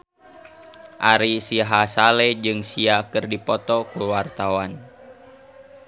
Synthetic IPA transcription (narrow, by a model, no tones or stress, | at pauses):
ʔaɾisiɦasalɛd͡ʒɨŋsiakɨrdipɔt̪ɔkuwart̪awan